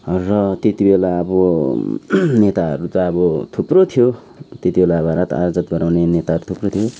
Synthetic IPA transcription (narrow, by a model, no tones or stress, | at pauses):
rʌt̪et̪ibelaʌbʌ | net̪aʌ̰ɾut̪aːbʌt̪ʰuprot̪ʰijo | t̪et̪ibelabaɾat̪a̰ɾd͡zʌt̪ɡʌɾawnenet̪aɦʌɾut̪ʰuprot̪ʰijo